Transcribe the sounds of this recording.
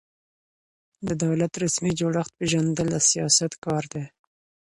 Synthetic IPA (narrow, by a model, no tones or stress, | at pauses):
d̪əd̪awlat̪ɾasmid͡ʒoɽaxt̪̚peʒand̪əlasijɑsat̪kɑɾd̪e